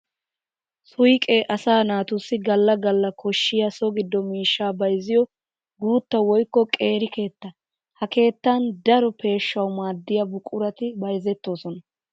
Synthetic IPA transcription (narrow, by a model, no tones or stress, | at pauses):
sʊjkʼɛʔɐsaːnaːt̪ʊsːɪɡɐlːɐɡɐlːɐkʰɔʃːɪjɐsɔɡɪd̪ːɔmiːʃːaːbɐjzɪjɔ | ɡuːt̪ːɐwɔjkːɔkʼe̞ːɾɪke̞ːt̪ːɐ | hɐke̞ːt̪ːand̪ɐɾɔpe̞ːʃːɐwmaːd̪ːɪjɐbʊkʼːʊɾɐt̪ɪbɐjzɛt̪ːo̞ːsɔnɐ